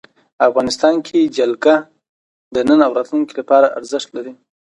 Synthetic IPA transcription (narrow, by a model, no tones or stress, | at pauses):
afɣɑnɪst̪ɑnkʰed͡ʒalɡa | d̪ənənawɾɑt̪lunkilapɑɾaa̰ɾzɪʃt̪laɾi